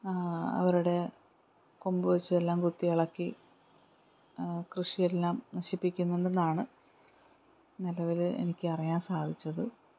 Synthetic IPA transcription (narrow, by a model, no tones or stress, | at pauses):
ɐ̰ʋɐɾuɽe̞ | kombɨʋɐt͡ɕːuelːaːmɡut̪ːiɐɭɐkːi | krɨʂijelːaːmnɐɕipːikʲːunːuɳɖenːaːɳɨ | nilɐʋilḛnikʲːɨɐrijaːnsaːd̪ʱit͡ɕːɐðɨ